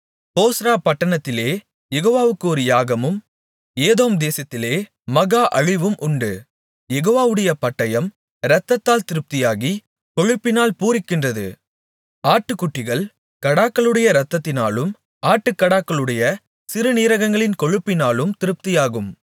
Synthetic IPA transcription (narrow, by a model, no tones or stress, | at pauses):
poːsɾaːpɐʈːɐɳɐt̪ːɪleː | jɛɣoːʋaːʋɯkːɯɔɾɯjaːɣɐmɯm | eːðoːmd̪eːsɐt̪ːɪleː | mɐɣaːʔɐɻɪʋɯmʔʊɳɖɯ | jɛɣoːʋaːʋɯɽɐjɐpɐʈːɐjɐm | ɾɐt̪ːɐt̪ːaːlt̪ɪɾɯp̚t̪ɪjaːɣi | kɔɻɯpːɪnaːlpuːɾɪkːɪndrɐðɯ̰ | aːʈːɯkːʊʈːɪɣɐɭ | kɐɽaːkːɐɭɯɽɐjɐɾɐt̪ːɐt̪ːɪnaːlɯm | aːʈːɯkːɐɽaːkːɐɭɯɽɐjɐ | sɪɾɯniːɾɐɣɐŋɡɐɭɪnkɔɻɯpːɪnaːlɯmt̪ɪɾɯp̚t̪ɪjaːɣɯm